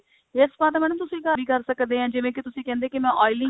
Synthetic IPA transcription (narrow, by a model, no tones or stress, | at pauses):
espaːt̪ːmɛːñəmt̪ʊsĩːkəbʱiːkəɾsəkd̪eːãːd͡ʒɪʋẽːkɪt̪ʊsĩːkɛ̃ːnd̪eːkɪmɛ̃ːʔɔːɪlɪ̃